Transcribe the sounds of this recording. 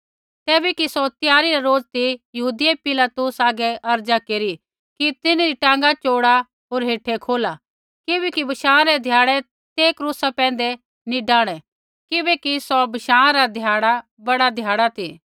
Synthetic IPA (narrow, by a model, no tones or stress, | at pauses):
t̪ɛːbɛkisɔt̪jaːɾiɾaɾoːd͡ʒt̪ijɐɦuːd̪iepɪlat̪usaːɡɛʔɐɾd͡ʒakeːɾi | kit̪ɪnaɾiʈãːŋɡat͡ʃoːɽa | ɦoːɾɦeːʈʰekʰoːla | kɪbɛkibɐʃãːɾɛd̪ʱjaːɽɛ | t̪eːkɾuːsapɛ̃ːnd̪ɛ | nĩɖãːɽ̃ɛ | kɪbɛkisɔbɐʃãːãɾad̪ʱjaːɽa | bɐɽad̪ʱjaːɽat̪ʰi